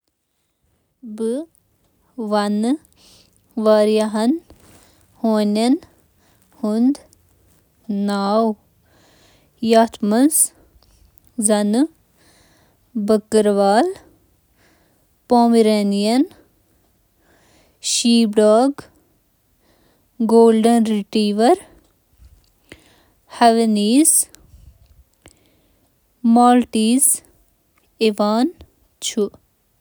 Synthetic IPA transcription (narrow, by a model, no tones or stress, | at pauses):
bɨ | ʋɐnɨ | ʋaɾjɐɦɐn | hoːnʲɐn | hund̪ | naːw | jat̪ʰmɐns | zɐnɨ | bɐkːəɾʋaːl | poːmiɾeːnijɐn | ʃiːbɖaːɡ | ɡoːlɖɐnɾiʈiːʋɐɾ | hɐʋeniːz | maːlʈiːz | eʋaːn | t͡ʃʰu